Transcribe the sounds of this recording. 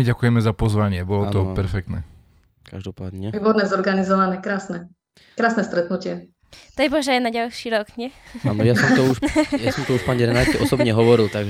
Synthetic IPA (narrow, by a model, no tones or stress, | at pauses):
miɟakujɛmɛzapɔzʋaɲɪɛbɔlɔt̪ɔpɛɾfɛkt̪nɛ̰ | ka̰ʒd̪ɔpa̰ːd̪ɲɛʋiːbɔɾnɛzɔɾɡanizɔʋanɛkɾaːsnɛ | kɾaːsnɛst̪ɾɛt̪nucɪɛ | t̪ajbɔʒɛajnaɟalʃiːɾɔkɲɛaːnɔjaɔmt̪ɔuʃjasɔmt̪ɔuʃpaɲiɾɛnaːɛʔɔsɔbɲɛɦɔʋɔɾilt̪aɡʒ